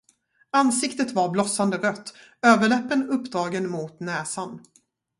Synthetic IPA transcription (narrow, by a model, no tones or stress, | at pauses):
ansɪkt̪ət̪vaɾblɔsand̪əɾœt̪ːøːvəɭɛpːənɵpːd̪ɾɑːɡənmʊt̪nɛːsan